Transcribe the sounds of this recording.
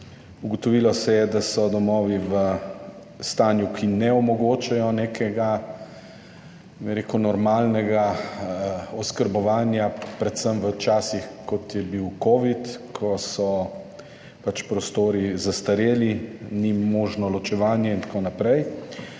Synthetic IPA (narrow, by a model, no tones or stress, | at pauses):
uɡɔt̪ɔʋilɔsɛjɛd̪asɔd̪ɔmɔːʋiʋə | st̪aːnjukʰinɛɔmɔɡoːt͡ʃajɔneːkʰɛɡa | bɛɾeːkunɔɾmaːlnɛɡa | ɔskəɾbɔʋaːnjapɾɛt̪səmʋət͡ʃaːsixkɔt̪jɛbiwkoːʋit̪kʰɔsɔ | pat͡ʃpɾɔst̪oːɾizast̪aɾeːlinimoːʒnɔlɔt͡ʃɛʋaːnjɛint̪ḁkoːnapɾɛj